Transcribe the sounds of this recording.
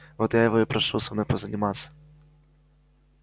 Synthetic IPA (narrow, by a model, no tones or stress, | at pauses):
vɔt̪jajɐvɔipɾɐʂusɐmnɔjpɐzɐnʲɪmat̪sːɐ̥